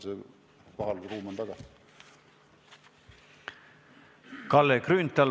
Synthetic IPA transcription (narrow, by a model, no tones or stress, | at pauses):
se | koɦɑlruːmɑnt̪ɑɡ̥ɑsi̥ | kɑlːekrynt̪ːɑ